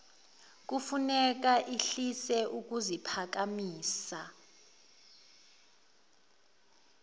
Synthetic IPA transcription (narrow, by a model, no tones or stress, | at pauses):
k̬ufunɛk̬aʔiɬisɛʔuk̬uzipʰak̬amiːsa